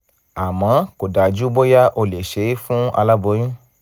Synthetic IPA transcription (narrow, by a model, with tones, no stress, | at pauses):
a˨mã˨˦ko˨da˨d͡ʒu˦bo˦ja˦ʔo˧le˨ʃe˨˦fũ˦a̰˧la˦bo˨˦jũ˦